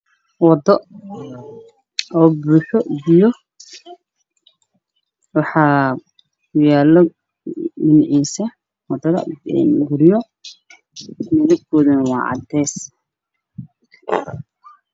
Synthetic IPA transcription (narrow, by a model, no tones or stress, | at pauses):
wɑd̪ɔ | ʔɔːbuːħɔbɪjɔ | wɑħɑː | jaːlɔ | ɪnʕiːsɐ | wɐd̪ɐðɐ̰ɛ̰nɡʊɾɪjɔ | mɐɣɐb̚kʰɔːðɐnɐwɑ̰ːʕɑ̰d̪ɛːs